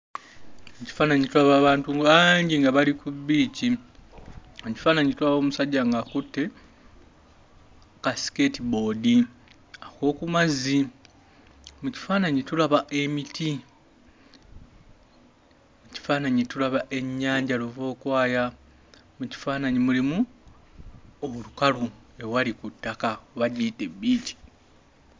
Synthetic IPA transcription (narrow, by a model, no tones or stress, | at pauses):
muci̥faːnaɲitulaβaːβaːntuaɲɟiŋɡaβalikuβiːci | oci̥faːnaɲitulaβo̞ːmusaɟːaŋɡaːkutːe̞ | kasi̥ke̞tibo̞ːdi | ako̞ːkumazi | muci̥faːnaɲitulaβaʔe̞mitʰi | muci̥faːnaɲitulaβaʔe̞ɲːaːɲɟaluvo̞ːkwaːja | muci̥faːnaɲimulimu | owulukalue̞walikutːakaβaɟiːtebːiːci̥